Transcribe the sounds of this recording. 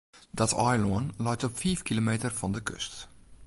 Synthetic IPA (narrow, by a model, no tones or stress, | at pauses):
dɔtʰɔjloənlœjtɔpfiːfkilomeːtərfɔndəkʰø̰st